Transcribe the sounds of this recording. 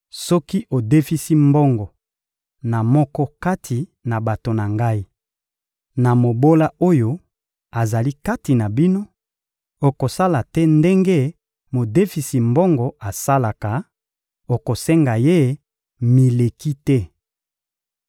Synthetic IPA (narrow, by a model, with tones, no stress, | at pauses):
sɔ˦ki˦ʔo˨de˦fi˦si˦mbɔ˦ŋɡɔ˨ | na˨mɔ˦kɔ˦ka˦tʰi˨na˨ba˨to˨na˨ŋɡa˦i˦ | na˨mo˨bo˦la˦o˦jo˦ | a˨za˨li˦ka˦ti˨na˨bi˦no˦ | o˨ko˨sa˦la˨tɛ˦nde˦ŋɡe˦ | mo˨de˦fi˨si˨mbɔ˦ŋɡɔ˨ʔa˨sa˦la˨ka˨ | o˨ko˨sɛ˦ŋɡa˨je˦ | mi˨le˨ki˦tɛ˦